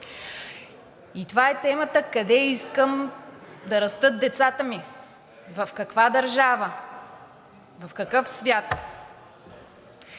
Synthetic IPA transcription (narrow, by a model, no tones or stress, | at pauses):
it̪ovaɛt̪ɛmət̪əkɐd̪ɛiskəmd̪ɐɾɐst̪ɤt̪̚d̪ɛt̪sat̪əmi | vɐfkɐkvad̪ɐɾʒavə | vɐfkɐkɤfsvʲjat̪